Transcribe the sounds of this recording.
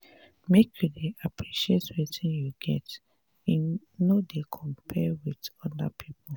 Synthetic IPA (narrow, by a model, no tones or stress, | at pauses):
mekʰjudeapʰɹiʃietwitĩnjuɡɛ̰t | i | nodekʰɔ̃mpʰɛwitɔda̰pʰipɔl